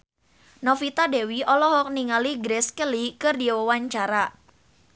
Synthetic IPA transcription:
nɔfit̪adewiʔɔlɔɦɔk̚niŋaliɡɾɛskəlikɨrdiwəwaɲt͡ʃaɾa

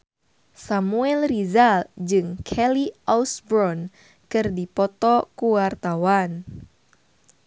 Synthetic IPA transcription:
samuɛlrizald͡ʒɨŋkʰɛliʔɔwsbɾɔn | kɨrdipɔt̪ɔkuwart̪awan

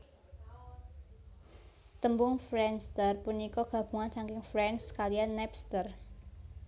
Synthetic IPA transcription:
t̪əmbʊŋfɾɛnst̪ərpunikɔɡ̥ä̤b̥ṳŋansaŋkɪŋfɾɛnskalianːɛpst̪ər

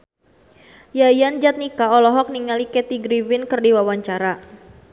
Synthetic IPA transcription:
jajand͡ʒat̪̚nikaɔlɔɦɔk̚niŋalikɛt̪iɡɾivɪnkɨrdiwawaɲt͡ʃaɾa

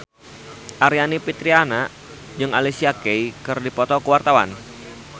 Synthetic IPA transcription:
ʔaɾianipit̪ɾiana | d͡ʒɨŋalisiakejkɨrdipɔt̪ɔkəwart̪awa̰n

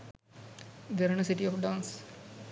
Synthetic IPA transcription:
d̪eɾənəsiʈiɔfɖãːns

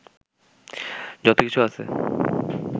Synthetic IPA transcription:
d͡ʑɔt̪okit͡ɕʰuat͡ɕʰḛ

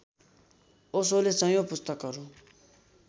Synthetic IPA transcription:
osolesʌ̃jopʊst̪əkːʌɾo

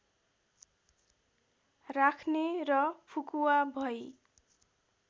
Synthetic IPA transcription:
rakʰnerʌpʰukuwabʱʌj

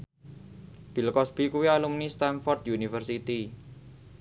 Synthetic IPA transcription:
b̥i̤lkɔsb̥i̤kuwialumnist̪anfɔrt̪junifərsit̪i

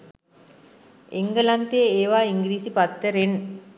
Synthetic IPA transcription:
eŋɡəlant̪eeeːʋaːiŋɡɾiːsipat̪ːəɾen

